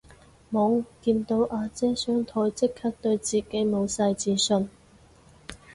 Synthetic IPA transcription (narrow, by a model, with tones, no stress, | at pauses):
mɔ˨˥ŋkiː˧nt̪o˧wʔaː˧t͡sɛː˥sœː˨˥ŋt̪ʰɔː˧jt͡sɪ˥kʰhɐ˥k̚t̪ɵ˧ɥt͡siː˨ke˨˥jmo˨˧wsɐ˧jt͡siː˧sɵ˧n